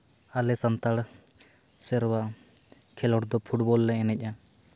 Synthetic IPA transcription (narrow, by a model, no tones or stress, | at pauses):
alɛsant̪aɽ | sɛɾwaʔ | kʰɛlɔʈd̪ɔpʰuʈbɔlːɛɛnɛc̚ˀa